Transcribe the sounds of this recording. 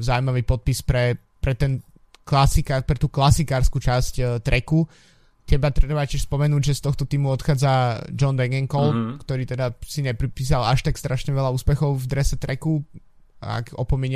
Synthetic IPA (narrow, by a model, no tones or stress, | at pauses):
zaʊimaʋiːpɔt̪̚pispɾɛ | pɾɛt̪ɛn | klasikapɾɛt̪uːklasikaːɾskut͡ʃasct̪ɾɛku | t̪ɛbat̪ɾɛbacɪɛʃspɔmɛnuːɟʒɛst̪ɔxt̪ɔt̪iːmuɔt̪xaːd͡zad͡ʒɔnb̪ɛŋɡɛŋkɔlkt̪ɔɾiːt̪ɛd̪asiɲɛpɾipiːs̬alaʃt̪akst̪ɾaʃɲɛʋɛʎauːspɛxɔʊvd̪ɾɛsɛt̪ɾɛku | a̰kɔ̰pɔmiɲ